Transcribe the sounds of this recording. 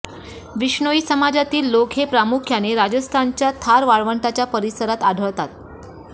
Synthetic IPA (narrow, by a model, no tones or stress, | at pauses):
ʋiɕɳoisəmad͡ʑat̪iːlːokɦepɾamukʰjaneɾad͡ʑəst̪ʰant͡ɕjat̪ʰaɾʋaɭʋəɳʈat͡ɕjapəɾisəɾat̪aɖʱəɭt̪at̪̚